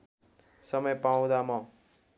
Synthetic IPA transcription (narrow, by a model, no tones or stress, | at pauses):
sʌmʌjpaw̃d̪amʌ̃